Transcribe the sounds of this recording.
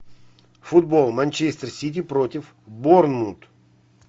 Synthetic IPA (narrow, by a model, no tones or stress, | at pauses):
fʊd̪bolˠmɐnʲt͡ɕesʲt̪ərsʲit̪̬ʲipɾot̪ʲɪf | bornmut̪